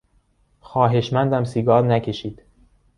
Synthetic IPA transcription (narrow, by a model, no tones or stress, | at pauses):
xɒːɦe̞ʃmænd̪æmsiɡɒːɾnæcʰe̞ʃiːd̪̥